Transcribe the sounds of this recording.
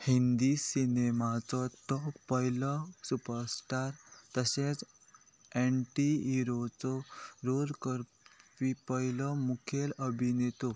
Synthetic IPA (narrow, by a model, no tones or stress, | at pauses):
hind̪isinemat͡sɔt̪ɔkpəjlɔsupəɾsʈaɾt̪əset͡s | eɳʈiiɾot͡sɔɾolkəɾ | pipəjlɔmukʰeləbʱinet̪o